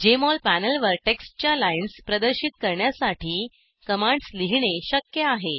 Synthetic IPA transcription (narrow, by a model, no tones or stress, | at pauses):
d͡ʑemɔlpænəlʋəɾʈeksʈt͡ɕjalainspɾəd̪əɾɕit̪̚kəɾɳjasaʈʰiː | kəmãɳɖsliɦɳeɕəkjəaɦe